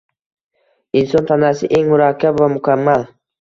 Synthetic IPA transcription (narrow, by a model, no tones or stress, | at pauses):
ɪnsɒnt̪ʰanasɪʔe̞ŋmʊɾakʲʰːabvamʊkʲʰamːal